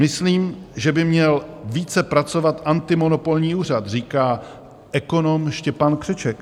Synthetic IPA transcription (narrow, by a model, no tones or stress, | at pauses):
mɪsliːmʒɛbɪmɲɛlviːt͡sɛpɾat͡so̞vat̪ʔant̪ɪmo̞no̞po̞lɲiːuːr̝at̪r̝iːkaː | ʔɛko̞no̞mʃcɛpankr̥ɛt͡ʃɛk